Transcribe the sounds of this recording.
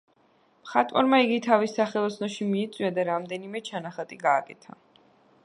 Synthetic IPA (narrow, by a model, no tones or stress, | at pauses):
mχat̪ʼwa̰ɾmaiɡit̪ʰavisːaχɛlˠɔsʰnɔʃimiːt̪sʼwiad̪aɾamd̪ɛnimɛt͡ʃʰanaχat̪ʼiɡaːkʼɛt̪ʰa̰